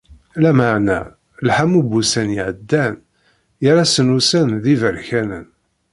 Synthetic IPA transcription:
læməʕnæ̰ | lħamubusænjiʕəd̪ːæn | jəɾæsənusænðivəɾçænən

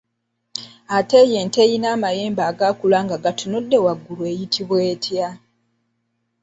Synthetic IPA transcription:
ate̞jeːntejinaːmaje̞ːmbaːɡaːkulaːŋɡaɡatunudːe̞waɡːulwe̞jitʰiβwe̞ːtʰja

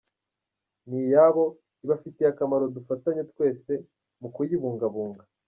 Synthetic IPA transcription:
nijaβo̞ | iβafiteakamaɾo̞dufataɲe̞tkwe̞ːse̞ | mukujiβuːŋɡaβuːŋɡa

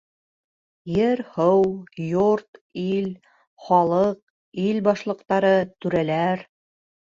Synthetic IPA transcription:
jɘɾhɤwjoɾt̪il | χɑlˠɤq̚ | ilbɑʃlˠɤ̆qt̪ɑɾɤt̪ʉɾælæɾ

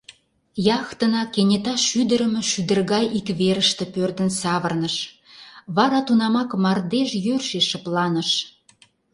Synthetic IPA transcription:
jɑxt̪ənɑkenʲet̪ɑʃyd̪əɾə̆mĕʃyd̪ə̆rɣɑjikβeɾəʃt̪ĕpørd̪ənsɑβərnəʃ | βɑɾɑt̪unɑmɑkmɑrd̪eʒjørʃeʃəplɑnəʃ

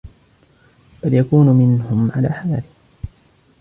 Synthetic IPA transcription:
b̥aljakuːnʊmɪnhʊmʕala̰ːħajaːlɪh

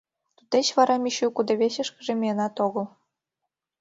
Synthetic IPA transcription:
t̪ut̪et͡ɕβɑɾɑmiɕukud̪ɤβeɕə̆ʃkə̆ʒĕmʲijenɑt̪oɣɤ̆l

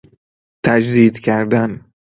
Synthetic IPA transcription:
t̪ʰæd͡ʒd̪iːd̪cʰæɾd̪æn

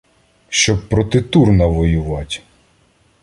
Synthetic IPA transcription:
ʃt͡ʃɔb̚pːɾɔt̪ɪt̪urnɐʋɔjʊʋɑtʲ

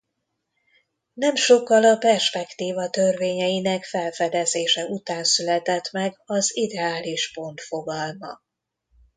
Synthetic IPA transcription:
nɛmʃo̞kːɒlɒpɛrʃpɛkt̪iːvɒt̪ø̞rveːɲɛjinɛkfɛlfɛd̪ɛzeːʃɛut̪aːnsylɛt̪ɛt̪mɛɡɒzid̪ɛaːliʃpo̞nt̪fo̞ɡɒlmɒ̰

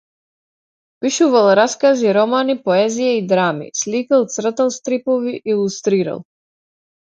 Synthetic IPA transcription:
piʃuvalˠɾaskaziɾɔmanipɔɛzijaid̪ɾamḭslikalˠt̪sr̩t̪alˠst̪ɾipɔviʔilˠust̪ɾiɾa̰lˠ

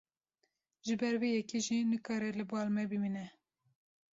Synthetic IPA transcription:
ʒɨbɛɾveːjɛkiʒinɨkɑːɾɛlɨbɑːlmɛbɨmiːnɛ

